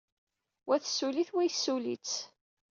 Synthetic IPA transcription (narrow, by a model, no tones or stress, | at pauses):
wæθsːuliθwæjsːulit͡s